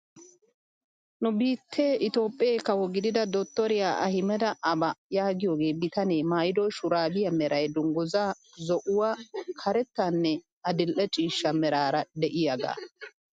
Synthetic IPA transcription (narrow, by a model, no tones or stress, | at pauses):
nʊbiːt̪ʰːe̞ːʔɪt̪o̞ːpʼːɪeːkɐwɔɡɪd̪ɪd̪ɐd̪ot̪ːɔɾɪjaːɐ̰hɪmɛd̪ɐʔɐbɐjaːɡɪjoːɡe̞ːbɪt̪ɐneːmaːjd̪ɔjʃʊɾaːbɪjɐmɛɾɐjd̪ʊŋɡʊza | zɔʔʊwakʰɐɾɛt̪ːanːɛ | ɐd̪ɪlʔɛt͡ʃʼiːʃːɐmɛɾaːɾɐd̪ɛʔɪjaɡa̰ː